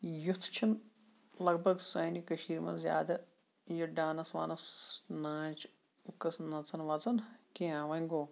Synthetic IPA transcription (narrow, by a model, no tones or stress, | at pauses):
jut̪ʰːt͡ʃʰɐn | lɐɡbʱɐɡsɐːnikɐʃiːɾmɐ̰zja̰ːd̪ɐ | jɐɖaːnɐsʋaːnɐsnãːt͡ʃ | ukɐsnɐt͡sɐnʋɐt͡sɐnkẽãːʋɐŋɡoː